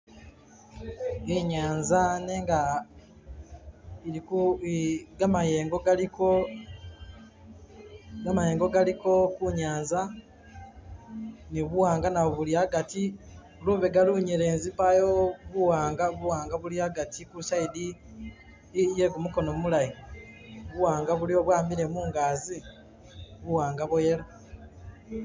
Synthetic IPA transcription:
eɲaːnzaneŋɡa | iiku | ɡamaje̞ːŋɡo̞ɡaliko | ɡamaje̞ːŋɡo̞ɡaliko̞kuɲaːnza | niβuwaːŋɡanaβoβuljaɡati | luβeɡaluɲiɾe̞ːnzipajoβuwaːŋɡaβuwaːŋɡaβuljaɡatʰikulusaidi | jeɡumuko̞nomulaji | βuwaːŋɡaβulioβwaːmiɾemuːŋɡaːzi | βuwaːŋɡaβojeɾo

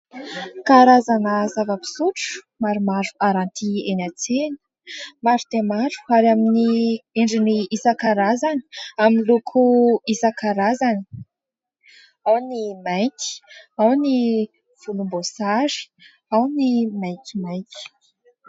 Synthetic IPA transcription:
kaɾazanəzavəpi̥suʈ͡ʂ | maɾumaɾuaɾant̪ʰienat͡seni̥ | maɾud̪emaɾu̥aɾaminieɳɖ͡ʐiniisakaɾazani̥aminlukʰuisakaɾazani̥ | awnimajki̥awni | v̥ulumbosaʐi̥ | awnimajkʲimajkʲi̥

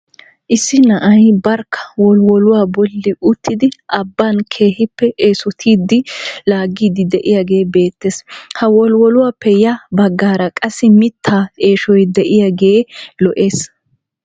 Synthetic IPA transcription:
ʔɪsːɪnɐʔɐjbɐɾkːɐ̥wɔlwɔlʊwaːbɔlːɪʔʊt̪ʰːɪd̪ɪʔɐbːankʰe̞ːhɪpːɛʔeːsɔt̪ʰiːd̪ɪlaːɡːiːd̪ɪd̪ɛʔɪjaɡe̞ːbe̞ːt̪ːeshɐwɔlwɔlʊwaːpːɛjɐbɐɡːaːɾɐkʼɐsɪmɪt̪ʰːaːe̞ːʃɔjd̪ɛʔɪjaɡe̞ːlɔʔeːs

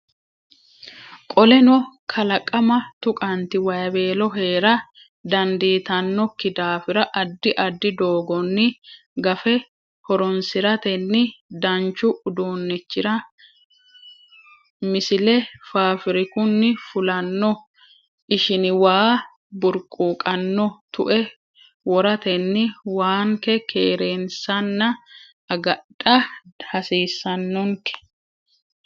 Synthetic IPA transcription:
kʼɔlɛnɔkʰɐlɐkʼːɐmɐt̪ʊkʼɐnt̪ɪwɐjɐbe̞ːlɔɦe̞ːɾɐ | d̪ɐnd̪iːt̪ɐnːɔkːɪd̪aːfɪɾɐʔɐd̪ːɪʔɐd̪ːɪd̪oːɡɔnːɪ | ɡɐfɛ | hɔɾɔnsɪɾɐt̪ɛnːɪd̪ɐnt͡ʃːʊʊd̪oːnːɪt͡ʃːɪɾɐ | mɪsɪlɛfaːfɪɾɪkʊnːɪfʊlɐnːɔ | ʔɪʃɪnɪwaː | bʊɾkʼːuːkʼɐnːɔt̪ʊʔɛ | wɔɾɐt̪ɛnːɪwaːŋkɛkʰeːɾeːnsɐnːɐ | ɐɡɐᶑʼɐhɐsiːsːɐnːɔŋkɛ̥

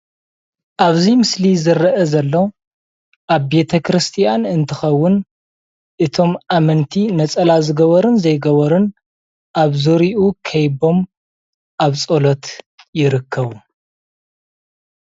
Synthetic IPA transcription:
ʔaβzimɨslizɨɾɐʔzɐlːo | ʔaβbe̞t̪ʰɐkʰɾɨst̪ʰijanɨnt̪ʰɨxɐwːʊn | ʔɨt̪ʰo̞mʔamɨnt̪ʰinɐt͡sʼɐlazɨɡɐβɐɾɨnzɐjɡɐβɐɾɨn | ʔaβzoɾiʔukʰɐjbo̞m | ʔaβt͡sʼolot̪ | jɪɾɨkʰːɐβu

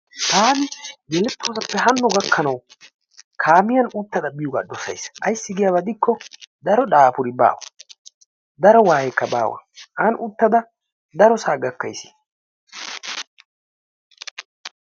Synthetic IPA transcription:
t̪aːnɪɡɛlɛt̪ːoːsɐpːɛɦɐnːʊɡɐkʰːɐnɐw | kʰaːmɪjɐnʊt̪ːɐd̪ɐbɪjʊɡa̰ːɗɔsɐ̰jsʔɐjsːɪɡɪjawɐd̪ɪkːɔd̪ɐɾɔɗaːpʊɾɪba̰ːwɐ̰ | d̪ɐɾɔwaːjɛkːɐba̰ːwɐ̰ʔanʊt̪ːɐd̪ɐ | d̪ɐɾɔsaːɡɐkːɐjsɪ̥

